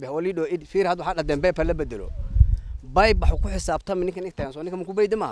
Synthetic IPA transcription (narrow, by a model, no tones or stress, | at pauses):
bɛhɔliɗɔɪd̪fiːɾhɐd̪wħaɗɐd̪ɛmbɛpɐlɐbɛd̪ɛlɔ̰ | bɐjbaħkʊħɪsaːbt̪ʰɐmɪnɪ̃ŋkɐnɪk̚t̪ɐɡɐnsɔnɪ̃kɐmɐkubɛjd̪ɪma